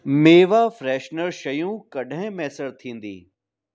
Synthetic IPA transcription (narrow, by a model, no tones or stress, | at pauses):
meːʋafɾɛːʃnəɾʃɐjũkɐɗʱɪ̃mɛːsəɽt̪ʰĩːnd̪ḭː